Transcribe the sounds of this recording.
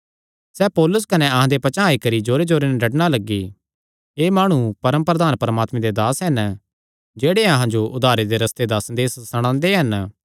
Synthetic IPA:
sɛːpɔːlʊs̬kɐneɐɦãd̪epɐt͡ʃaːikɐɾid͡ʒoːɾed͡ʒoːɾenɛɖʱɐʈɽ̃alɐɡːi | eːmaːɽ̃ũpɐɾəmpɾəd̪aːnpɐɾmaːt̪mẽd̪ed̪aːsɦɐn | d͡ʒeːɽeɐɦãd͡ʒoʔʊd̪ʱaːɾed̪eɾɐst̪ed̪asɐnd̪eːssɐɽ̃ãːnd̪eɦɐn

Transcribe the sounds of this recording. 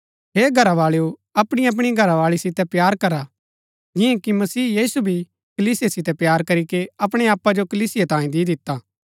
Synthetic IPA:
ɦeːɡʱɐɾaʋaːɭeuɐpɽ̃iɐp̬ɽ̃iɡʱɐɾaʋaːɭisɪt̪ɛpjaːɾkɐɾa | d͡ʒɪjãkimɐsiːjiːsubʱi | kɐliːsɪjasɪt̪ɛpjaːɾkɐɾikeɐpɽ̃eaːpːad͡ʒokɐliːsɪjat̪ãːĩd̪id̪ɪt̪ːaː

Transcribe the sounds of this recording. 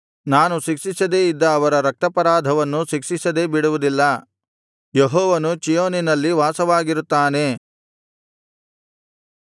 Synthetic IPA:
naːnuʃikʂisɐd̪e̞ːid̪ːɐːʋɐɾɐɾɐk̚t̪ɐpɐɾaːd̪ʱɐʋɐnːuʃikʂisɐd̪e̞ːbiɽuʋud̪ilːɐ | jeɦɔːʋɐnut͡ʃijoːninɐlːiʋaːsɐʋaːɡiɾut̪ːaːne̞

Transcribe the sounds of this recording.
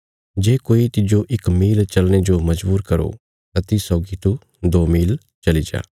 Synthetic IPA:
d͡ʒeːkoːit̪ɪd͡ʒoʔɪkmiːlt͡ʃɐlñed͡ʒomɐd͡ʒbuːɾkɐɾo̰ | t̪at̪isɔːɡit̪u | d̪oːmiːl | t͡ʃɐlid͡ʒa̰ː

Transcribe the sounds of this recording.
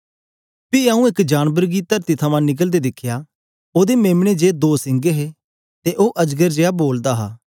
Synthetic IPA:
piaːũɪkd͡ʒaːnbəɾɡit̪ɐɾt̪it̪ʰɐmãnɪk̬əld̪ed̪ɪkʰːja | oːd̪emeːmɽ̃ed͡ʒeːd̪oːsɪ̃ŋɡeɦe | t̪eʔoːʔɐd͡ʒɡəɾd͡ʒeːaboːld̪aɦa̰ː

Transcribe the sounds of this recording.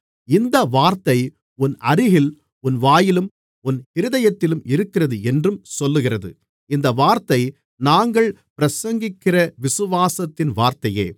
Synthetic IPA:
ɪnd̪ɐʋaːɾt̪ɐɪ | ʊnʔɐɾɪɣɪl | ʊnʋaːjɪlɯm | ʊnɪɾɯðɐjɐt̪ːɪlɯmɪɾɯkːɪrɐðɯɛndrɯmsɔlːɯɣɪrɐðɯ̰ | ɪnd̪ɐʋaːɾt̪ɐɪ | naːŋɡɐɭpɪɾɐsɐŋɡɪkːɪrɐʋɪsɯʋaːsɐt̪ːɪnʋaːɾt̪ɐjḛː

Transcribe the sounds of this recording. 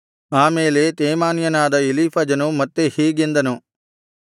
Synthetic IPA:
aːmeːlet̪eːmaːnijɐnaːd̪ɐeliːpʰɐd͡ʒɐnumɐt̪ːehiːɡind̪ɐnu

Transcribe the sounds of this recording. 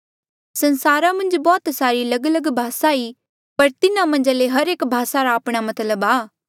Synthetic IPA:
sɐ̃nsaːɾamɐ̃nd͡ʒbɔːt̪saːɾilɐɡləɡbʱaːsai | pɐɾt̪ɪnãmɐ̃nd͡ʒaleɦɐɾeːkbʱaːsaɾaːpɽ̃amɐt̪ləbaː

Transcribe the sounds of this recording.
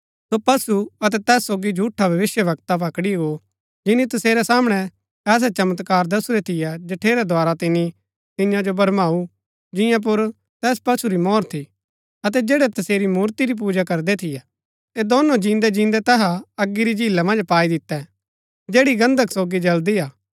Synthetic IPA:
sopɐsuɐt̪ɛt̪ɛːsːoːɡid͡ʒʱuːʈʰːabʱɐʋɪsjəʋɐkt̪apɐkɽiɡo | d͡ʒɪnit̪ɐseːɾɛsaːmɽ̃ɛ | ɛːs̬ɛt͡ʃɐmət̪kaːɾd̪ɐsuɾɛt̪ʰɪjɛd͡ʒɐʈʰeːɾɛd̪ʱwaːɾat̪ɪni | t̪ɪ̃jãd͡ʒobɐɾmaːu | d͡ʒɪjãp̬ʊɾ | t̪ɛːs̬pɐsuɾimɔːɾt̪ʰi | ɐt̪̬ɛd͡ʒeːɽɛt̪ɐseːɾimuːɾt̪iɾip̬uːd͡ʒakɐɾd̪ɛt̪ʰɪjɛ | t̪ed̪ɔːnõd͡ʒĩːnd̪ɛd͡ʒĩːnd̪ɛt̪ɛːɦaɐɡːiɾid͡ʒiːlamɐ̃nd͡ʒpaːid̪ɪt̪ːɛ | d͡ʒeːɽiɡɐ̃nd̪ʱəksoːɡid͡ʒɐld̪ijaː

